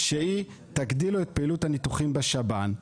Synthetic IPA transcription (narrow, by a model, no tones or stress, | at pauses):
ʃei | t̪aɡdiluet̪̚peiluthanit̪uχimbeʃaban